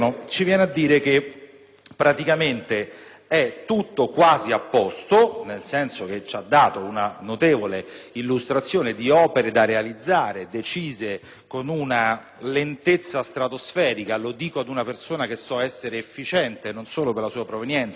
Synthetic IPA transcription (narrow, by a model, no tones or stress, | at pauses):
ot͡ʃivjɛːnead̪ːiːɾek̟e | pːɾat̪ikament̪e | ɛt̪ːut̪ːokwaːziapːɔst̪onelsɛnsok̟et͡ʃːad̪ːaːt̪ounanot̪eːvoleilːust̪ɾat̪sːjoːned̪iɔːpeɾed̪arealid̪zːaːɾed̪et͡ʃiːze | konuna | lent̪et̪sːast̪ɾat̪osfɛːɾikalod̪iːkoad̪unapersoːnakesːɔɛsːeɾeːfːit͡ʃɛnt̪enonsoːloperlasuːapɾovenjɛnt̪sa